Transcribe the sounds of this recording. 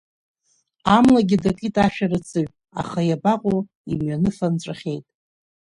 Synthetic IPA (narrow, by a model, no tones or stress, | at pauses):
amlaɡʲidakʼitʼaʃᶣarɨt͡sʰʼɨɥ | a̰χajabaqʼo | imɥanɨfant͡ʃʷʼaχʲe̞jtʼ